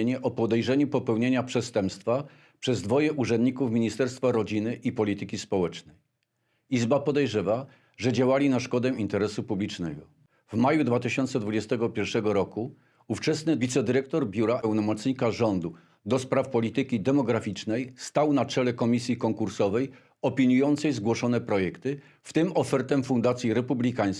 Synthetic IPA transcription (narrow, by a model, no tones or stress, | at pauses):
ɲɛʔɔpɔd̪ɛjʐɛɲupɔpɛwɲeɲapʂɛst̪ɛmpst̪fa | pʂɛzd̪vɔjɛʔuʐɛnd̪ɲikufmʲiɲist̪ɛɾst̪faɾɔd͡ʑinɘʔipɔlʲit̪ɘkʲispɔwɛt͡ʂnɛj | izbapɔd̪ɛjʐɛva | ʐɛd͡ʑawalʲinaʂkɔd̪ɛint̪ɛɾɛsupublʲit͡ʂnɛɡɔ | vmajud̪vat̪ɘɕɔnt̪sɛd̪vud͡ʑɛst̪ɛɡɔpʲjɛɾʂɛɡɔɾɔku | uft͡ʂɛsnɘvʲit̪sɛd̪ɘɾɛk̚t̪ɔɾbʲjuɾaʔɛwnɔmɔt̪sɲikaʐɔnd̪u | d̪ɔspɾafpɔlʲit̪ɘkʲid̪ɛmɔɡɾafʲit͡ʂnɛjst̪awnat͡ʂɛlɛkɔmʲisʲjikɔŋkuɾsɔvɛj | ɔpʲiɲujɔnt̪sɛjzɡwɔʂɔnɛpɾɔjɛkt̪ɘ | ft̪ɘmɔfɛɾt̪ɛmfund̪at̪sʲjiɾɛpublʲikaj̃s